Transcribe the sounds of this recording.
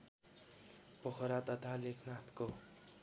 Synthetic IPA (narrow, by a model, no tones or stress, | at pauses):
pʌxʰʌɾat̪ʌt̪ʰalekʰnat̪ʰko